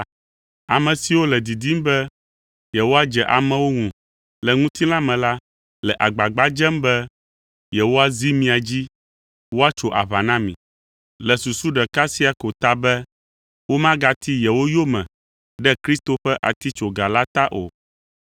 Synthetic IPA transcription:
a˨mɛ̃˨si˨wo˦lɛ˨d̪i˨d̪i˦mbɛ˦ | jɛ˨wo˦a˦d͡ʒɛ˨ʔa˨mɛ̃˦wo˦ŋũ˨ | lɛ˨ŋũ˦t̪i˦lã˦mɛ̃˨la˦ | lɛ˨ʔa˨ɡ͡ba˨ɡ͡ba˨d͡ʒɛ˦mbɛ˦ | jɛ˨wo˦a˦zi˦mĩ˦a˨d͡ʑi˦ | wo˦a˦t͡ʃo˨ʔa̰˨βa˨nã˦mĩ˨ | lɛ˨su˨su˦ɖɛ˨ka˦si˦a˨ko˨t̪a˦bɛ˦ | wo˦mã˦ɡa˨t̪ʰi˦jɛ˨wo˦jo˦mɛ̰̃˨ | ɖɛ˦kɾi˦st̪o˨ɸɛ˦ʔa̰˨t̪i˦t͡ʃo˨ɡa˨la˦t̪a˦ʔo̰˨

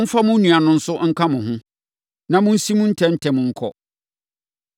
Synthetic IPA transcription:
m̩˦fa˦mʊ̃˦n˦nũ˨a˨nʊ̃˦n̩˦sʊ˦ŋ̩˦kʰã˦mʊ̃˨hʊ̃˦ | nã˨mʊ̃˦n̩˦si˦mʊ̃˦n̩˦tʰɛ̃˦n̩˦tʰɛ˨mʊ̃˨ŋ̩˦kʰɔ̰˦

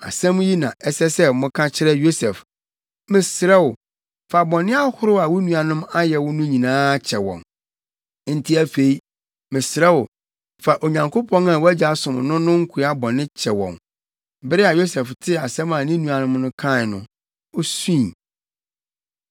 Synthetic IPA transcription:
a̰˨sɛ̃˦m˦ji˦nã˨ɛ˦sɛ˦sɛ˦˨mʊ̃˦kʰã˦t͡ɕʰɪ˦ɾɛ˦jo˦sɛ˨f | mɪ̃˨sɪ˨ɾɛ˦wʊ˨ | fa˨bɔ˨nɪ̃˦a˦hʊ˦ɾʊ˦a˨wʊ˦nũ˨a˨nʊ̃˦ma˦jɛ˨wʊ˦nʊ̃˦ɲĩ˨nãː˦t͡ɕʰɛ˨wɔ̰̃˨n˦ | n̩˨tʰi˦æ˦fe˨i˦ | mɪ̃˨sɾɛ˦wʊ˨ | fa˨ʔo˨ɲã˨ŋkʰo˦pʰɔ̃˦na˨wæ˦d͡ʑa˨sʊ̃˨mnʊ̃˦nʊ̃˦ŋ̩˦kʰu˨˦a˦bɔ˨nɪ̃˦t͡ɕʰɛ˨wɔ̰̃˨n | bɪ˦ɾɪ˦a˨jo˦sɛ˨ftʰɪ˦a˨sɛ̃˦mã˨nɪ̃˦nũ˨a˨nʊ̃˦mnʊ̃˦kʰã˦˨nʊ̰̃˨ | ɔ˦sũ˦˨

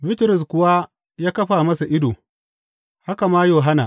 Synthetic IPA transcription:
bɪ˦tɪ˨ɾʊ˨s̬kʷʊ˦wa˦ | jaː˦kɐ˦ɸa˨mɐ˦sa˨ʔɪ˦doː˨ | ha˦ka˨maː˦joː˨ɦa˦na̰˨

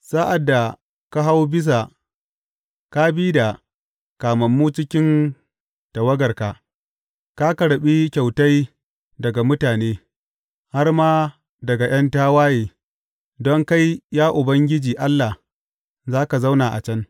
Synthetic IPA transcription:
saː˦ʔa˨dːa˨ | ka˦ɦa˦wbɪ˦s̬a˨ | ka˦biː˦da˨ | kaː˨mɐ˨mːuː˦t͡ʃɪ˦kʲɪ˦n | ta˨wɐ˦ɡɐ˨rka˨ | ka˦ka˨ɽɐ˨ɓi˦kʲa˨wta˦j | dɐ˨ɡa˨mʊ˦taː˨neː˦ | ha˦rmaː˦ | dɐ˨ɡa˨j̰ɐ˦ntaː˦waː˦jeː˨ | dɔ˦ŋka˦jːaː˦ʔʊ˨bɐ˦ŋɡʲɪ˦d͡ʒiː˨ʔa˦lːa˨ | zaː˦ka˨za˦wna˨ʔa̰˨t͡ʃɐ˦n

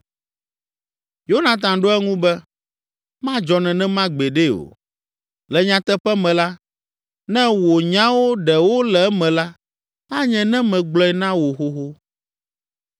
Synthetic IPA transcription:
jo˦nã˨t̪̬ã˨ɖo˦ɛ˦ŋũ˦bɛ˦ | mã˦d͡ʒɔ˨nɛ̃˨nɛ̃˦mã˦ɡ͡be˨ɖe˦o̰˨ | lɛ˨ɲã˨t̪ɛ˦ɸɛ˦mɛ̃˨la˦ | nɛ̃˦wo˨ɲã˦wo˦ɖɛ˨wo˦lɛ˨ɛ˦mɛ̃˨la˦ | a˦ɲɛ̃˨nɛ̃˦mɛ̃˨ɡ͡blɔ˦ɛ˨nã˦wo˨xo˦ɦo˦

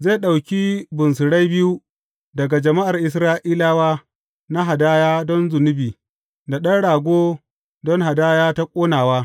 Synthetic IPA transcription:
ze˦˨ɗa˨wkʲi˦bʊ˨ns̬ʊ˨ɽa˦jbɪ˦ju˦ | dɐ˨ɡa˨d͡ʒɐ˨ma˦ʔa˨rʔɪ˨s̬ɾaː˦ʔiː˦laː˦waː˦ | na˦ɦa˨daː˦jaː˦dɔ˦nzʊ˨nʊ˦biː˨ | da˨ɗɐ˦nɽaː˨ɡʷoː˦ | dɔ˦ŋɦa˨daː˦jaː˦ta˦kʷʼoː˦naː˨waː˦

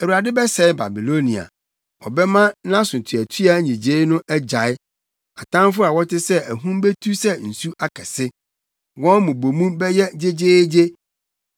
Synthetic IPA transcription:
e˨wu˨ɾa˨dɪ˦bɛ˦sɛ˨˦ɪ˦ba̰˨bi˨lo˦nĩ˨a̰˨ | ɔ̰˨bɛ˦mã˦nã˦sʊ̃˨tʰu˨æ˨tʰi˦a˦ɲĩ˨d͡ʑe˦nʊ̃˦ʔɛ˦d͡ʑa˨ɪ˦ | a˨tʰã˦m˦fʊ˦a˨wɔ˦tɪ˦sɛ˦æ˨ɦũ˦m˦be˦tʰu˦sɛ˦n̩˨su˦ʔa˦kʰɛ˨sɪ˦ | wɔ̃˦mũ˨bo˨mũ˦bɛ˦jɛ˦d͡ʑe˦d͡ʑeː˦d͡ʑe˦

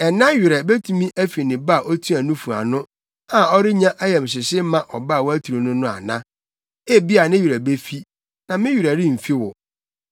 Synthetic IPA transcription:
ɛ˨nã˦ɥɪ˨ɾɛ˨be˦tʰũ˦mĩ˦ʔæ˦fi˨nɪ̃˨ba˦˨ʔo˦tʰũ˦æ˨nũ˦fu˨a̰˨nʊ̃˦ | ã˨ɔ˦ɾɪ˦ɲã˦ʔæ˦jɛ˨m̩˨s̬ɪ˨sɪ˦mã˦˨ʔɔ˨ba˦˨wɔ˦æ˦tʰu˨ɾo˨nʊ̃˦nʊ̃˦a̰˨nã̰˦ | e˦bi˦a˨nɪ̃˦ɥɾæ˨be˦fi˦ | nã˨mɪ̃˦ɥi˨ɾæ˨ɾɪ˦m̩˨fi˦wʊ˨

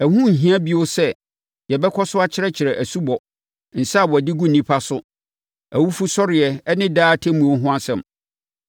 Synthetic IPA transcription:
æ˨ɦũ˦n̩˨ɦĩ˦ã˦bi˦o˦sɛ˦ | jɛ˨bɛ˦kʰɔ˦sʊ˦a˦t͡ɕʰɪ˦ɾɛ˦t͡ɕʰɪ˨ɾɛ˨ʔæ˨su˦bɔ˨ | n̩˨sa˦˨wɔ˨æ˨dɪ˦ɡu˦n˨nĩ˦pʰa˦sʊ˦ | æ˨wu˦fu˦sɔ˦ɾɪ˨ɛ˨ɛ˦nɪ̃˦daː˦tʰɛ˦mũ˨o˦ɦʊ̃˦a˦sɛ̃˨m

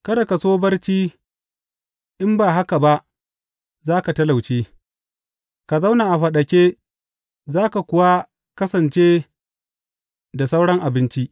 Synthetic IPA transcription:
kɐ˦da˨ka˨soː˦bɐ˦rt͡ʃiː˦ | ʔɪ˦mbaː˨ɦa˦ka˨ba˦ʔ | zaː˦ka˨tɐ˦la˨wt͡ʃeː˦ | ka˨za˦wnaː˨ʔa˨ɸɐ˨ɗɐ˨kʲeː˦ | zaː˦ka˨kʷʊ˦wa˦ | kɐ˦sɐ˨nt͡ʃeː˦ | da˨sa˦wɽɐ˦ŋʔa˨bɪ˦nt͡ʃi˦

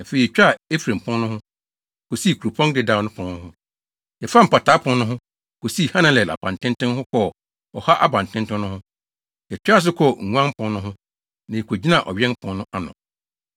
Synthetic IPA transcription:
a˨fe˨i˨t͡ɕᶣa˦˨e˦fɾẽ˨m˨pʰʊ̃˦nː˦ʊ̃˦hʊ̃˦ | ko˨si˦˨kʰu˨ɾo˨pʰɔ̃˦ndɪ˨da˨˦nʊ̃˦pʰɔ̃˨˦nnʊ̃˦hʊ̃˦ | ɛ˨fa˦m̩˨pa˨tʰa˨˦pʰʊ̃˦n˦nʊ̃˦ɦʊ̃˦ | kʰo˨si˦˨hã˦nã˦lɛ˨a̰˨bã˨n˨tʰɪ̃˦ntɪ̃˦nhʊ̃˦kʰɔ˦˨ | ɔ˨ha˦ʔa˦bã˨n˨tʰɪ̃˦n˦tʊ̃˦nʊ̃˦hʊ̃˦ | ɛ˨t͡ɕᶣa˦˨s̬ɪ˦kʰɔ˦˨ŋ̩˨ŋʷ˦ã˦m˦pʰɔ̃˦nnʊ̃˦ɦʊ̃˦ | nã˨ɛ˨kʰʷo˨d͡ʑi˦nã˦˨ʔɔ̰˨ɥɛ̃˦n˦pʰɔ̃˨nːʊ̃˦ʔa˨nʊ̰̃˨

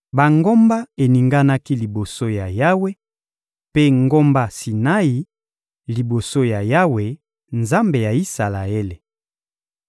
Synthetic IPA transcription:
ba˨ŋɡo˦mba˦e˨ni˨ŋɡa˦na˦ki˦li˨bo˨so˦ja˨ja˦we˦ | pe˦ŋɡo˦mba˦si˨na˦i˨ | li˨bo˨so˦ja˨ja˦we˨ | nza˦mbe˨ja˨i˦sa˨la˨e˦le˨

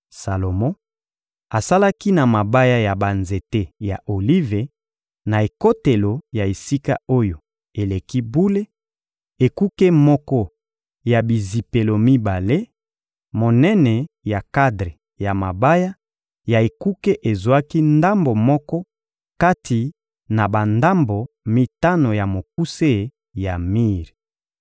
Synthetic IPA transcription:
sa˨lo˨mɔ̃˦ | a˨sa˦la˦ki˦na˨ma˨ba˦ja˦ja˨ba˨nze˨te˦ja˨ʔo˨li˦ve˨ | na˨e˨ko˦te˨lo˨ja˨e˨si˦ka̰˦o˦jo˨ | e˨le˨ki˦bu˦le˦ | e˨ku˦ke˦mɔ˦kɔ˦ | ja˨bi˨zi˨pe˨lo˨mi˦ba˨le˦ | mo˨nɛ˦nɛ˨ | ja˨ka˦dʁe˨ | ja˨ma˨ba˦ja˦ | ja˨e˨ku˦ke˦ʔe˨zwa˦ki˦nda˦mbo˨mɔ˦kɔ˦ | ka˦tʰi˨ | na˨ba˨nda˦mbo˨ | mi˦ta˦no˨ja˨mo˨ku˦se˦˨ | ja˨mi˦ʁ

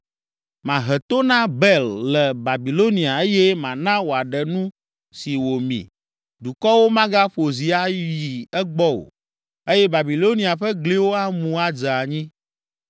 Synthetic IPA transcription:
mã˨ɦɛ˨t̪o˦nã˦bɛ˦llɛ˨ba˨bi˨lo˦nĩ˨a˨e˦jɛ˦mã˨nã˦wo˨a˨ɖɛ˨nũ˦ | si˨wo˨mḭ̃˨ | d̪u˨kɔ˦wo˦mã˦ɡa˦ɸo˨zi˨a˦ji˨ɛ˦ɡ͡bɔ˦wo̰˨ | e˦jɛ˦ba˨bi˨lo˦nĩ˨a˨ɸɛ˦ɡle˦wo˦a˦mũ˨a˨d͡ʒa˨ɲĩ˦

